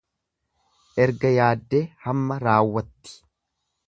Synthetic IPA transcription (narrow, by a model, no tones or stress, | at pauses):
ʔɛɾɡɐjaːd̪ːeːhɐmːɐɾaːwːɐt̪ːɪ̥